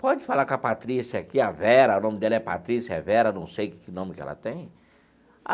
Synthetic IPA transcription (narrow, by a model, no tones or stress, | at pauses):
pɔd͡ʒɪfalakapat̪ɾisiakiavɛɾɐʊnõmɪd̪ɛlɐɛpat̪ɾisɛ̰vɛɾɐnɐ̃w̃sejkɪ̥kɪnõmɪkɛ̰lɐ̰t̪ẽj̃ | a